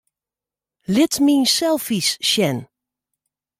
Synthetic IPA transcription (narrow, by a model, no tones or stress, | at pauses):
lɪtminsɛlˠfisʃɛn